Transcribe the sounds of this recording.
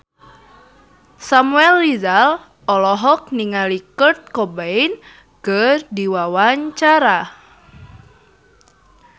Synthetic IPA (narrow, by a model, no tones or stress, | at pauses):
samuɛlːizal | ɔlɔɦɔk̚niŋalikət̪̚kɔbaɪn | kərdiwawaɲt͡ʃaɾa